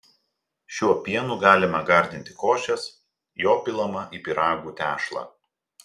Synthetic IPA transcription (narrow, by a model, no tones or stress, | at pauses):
ʃʲuɔpʲiɛnuːɡɑːlʲɪmɐɡɐɾʲd̪ʲɪnʲt̪ʲɪkoːʃʲɛs | joːpʲɪlˠɐmɐʔipʲɪɾɑːɡuːt̪ʲæːʃlˠɑ̰ː